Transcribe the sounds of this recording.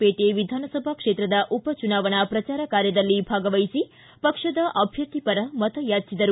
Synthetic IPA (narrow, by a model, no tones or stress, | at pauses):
peʈeʋid̪ʱaːnɐsɐbʱakʂet̪ɾɐd̪ɐʔupɐt͡ʃunaːʋɐnɐpɾɐt͡ʃaːɾɐkaːɾjɐd̪ɐlːibʱaːɡɐʋɐjsi | pɐkʂɐd̪ɐʔɐbʱjɐt̪ipɐɾɐmɐt̪ɐjaːt͡ʃid̪ɐɾu